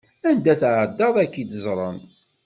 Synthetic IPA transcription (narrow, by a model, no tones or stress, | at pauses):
ænd̪æθʕəd̪ːɑðˤækːid̪əzˤɾˤɑ̰n